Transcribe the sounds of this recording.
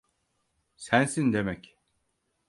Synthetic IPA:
sænsind̪e̞mɛc

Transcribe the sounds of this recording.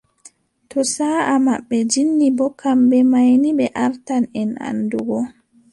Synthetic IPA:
tɔsaːʔamaɓːɛd͡ʒinːibɔkʰambɛmajnibɛʔaɾtanɛna̰nduɡɔ

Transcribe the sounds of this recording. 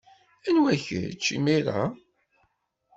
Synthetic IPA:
ænwæçə̰t͡ʃːḭmiɾa

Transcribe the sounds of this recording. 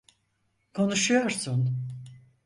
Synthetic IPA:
kʰo̞nuʃujoɾsun

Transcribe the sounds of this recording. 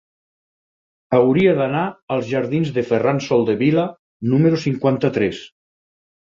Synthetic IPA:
awɾiaðanaəlˠzʒaɾðinzðəferansɔlˠd̪eβila | numəɾusiŋkwant̪ət̪ɾɛs

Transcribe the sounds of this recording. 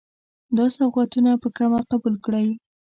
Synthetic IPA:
d̪ɑsafqat̪unapəkamaqabulkɽaj

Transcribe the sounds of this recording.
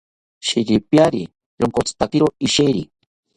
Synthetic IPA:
ʃiɾipjaɾḭ | joŋkot͡st̪ak̪iɾoiʃejɾḭ

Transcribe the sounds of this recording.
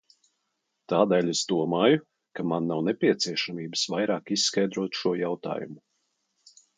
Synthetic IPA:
t̪aːd̪ɛːlʲez̥d̪uɔmaːju | kamanːawnepʲiɛt̪siɛʃamiːbəsvajɾaːkissːkajd̪ɾuɔt̪ʃuɔjawt̪a̰ːjṵmu

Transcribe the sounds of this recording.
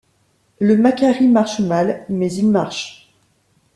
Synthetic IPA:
ləmakʲaʁimaʁʃmalmɛzilmaʁʃ

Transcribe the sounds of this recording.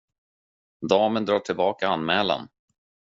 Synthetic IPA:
d̪ɑːmənd̪ɾɑːʈʰɪlbɑːkaanmɛːla̰n

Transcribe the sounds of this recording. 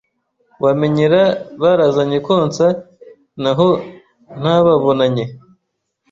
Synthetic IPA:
wameɲeɾaβaɾazaɲekoːnt͡sa | naɦo | n̥haβaβo̞naɲe

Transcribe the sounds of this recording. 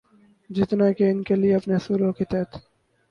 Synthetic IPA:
d͡ʒɪt̪nakeɪnkelieɐpnesuːɾokit̪ɛːt̪

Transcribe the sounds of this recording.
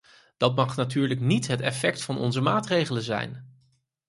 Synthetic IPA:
d̥ɑtmɑχnatyːɹləknitɦətɛfɛktfɑnʔɔ̰nzəmaːtrejχələnzɛ̰jn

